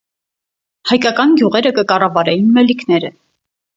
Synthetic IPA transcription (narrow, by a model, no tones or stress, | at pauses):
hɑjkɑkɑnɡjuʁɛɾəkəkɑrɑvɑɾɛjinmɛlikʰnɛɾə